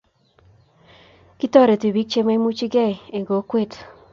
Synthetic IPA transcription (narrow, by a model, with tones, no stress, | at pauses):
ki˦tɔ˦ɾe˨ti˨bi˦k̚t͡ʃe˦ma˦mu˦t͡ʃi˦ɡɛ˦˨e˨ŋɡo˨˦kwe˦˨t